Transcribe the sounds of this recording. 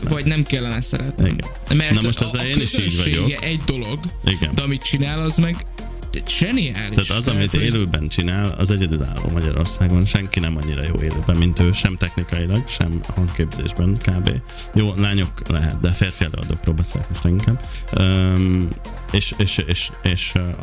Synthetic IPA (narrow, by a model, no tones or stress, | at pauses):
vɒɟnɛmkɛlːɛnɛsɛ̰ɾɛ̰t̪nḭnɛ̰nmɛrnɒmo̞ʃt̪ɒzeːniʃiːɟvɒeɟokɡɛʔɛɟd̪olo̞ɡʔiɡɛ̰nd̪ɛɒmit̪t͡ʃinaːlɒzmɛɡ | ʒ̥ɛniaːliaːʃt̪ɒzɒmit̪eːløːbɛnt͡ʃinaːlɒ̰zɛɟɛd̪yla̰ːlːo̰ːmɒɟɒɾo̞̰rsaːɡo̞nʃɛŋkinɛmɒɲːiɾɒjo̰ːeːløːbɛmːint̪øːʃɛmt̪ɛxnikɒjilɒɡʃɛ̰mhɒŋkeːbzḛːʒbɛnkaːbḛː | joːlaːɲoklɛɦɛ̰t̪̚d̪ɛfeːrfiɛlø̰ːɒ̰d̪o̰ːkroːlbɛsḛːlɛ̰k̚moʃt̪ɛiŋkɛmøːm | eːʃeːʃeːʃeːʃ